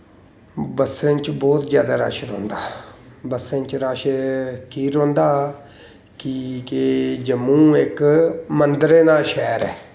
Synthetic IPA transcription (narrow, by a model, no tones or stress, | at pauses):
bəsːẽnt͡ʃbɔːt̪d͡ʒjaːd̪aːɾa̰ːʃɾo̰ːnd̪aːbəsːẽnt͡ʃɾaːʃkiːɾõːnd̪aː | kiked͡ʒəmːũːɪkmənd̪əɾeːnaːʃɛːɾɛː